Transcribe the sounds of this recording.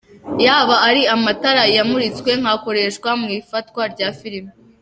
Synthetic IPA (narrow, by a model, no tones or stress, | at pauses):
jaːβaːɾiamataɾajamuɾit͡skwe̞ŋ̥hako̞ɾe̞ʃkwamŋiːfatkwaɾɟaːfiɾimi